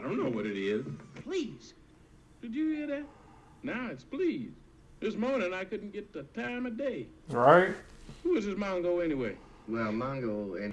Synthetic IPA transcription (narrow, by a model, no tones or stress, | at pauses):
dõʊ̃nːoʊwʌɾɨɾɪz̥pʰl̥iz̥ | d̥ɨd͡ʒɨɪɾɪt̚ | naʊɨtspʰl̥iz | ðɪsmõʊnɨ̃ŋaɪkʊdⁿn̩ɡ̥ɛt̪̚ðɨtʰãɪ̃mɨdeɪɹaɪt̚huwʌzɨsmɑ̃ŋɡoʊɛniweɪ | wɛlˠmɑ̃ŋɡoʊɛ